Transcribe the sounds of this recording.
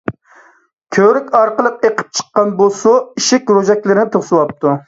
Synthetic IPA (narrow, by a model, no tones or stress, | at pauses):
kʲʰøɾykʲɑɾqəlˠəqeqʰə̥p̚t͡ʃʰə̥qːɑnbosuiʃɪkʲɾoʒɛkʲlɪɾɪnɪt̪ʰoχsɨwɑp̚t̪ʰu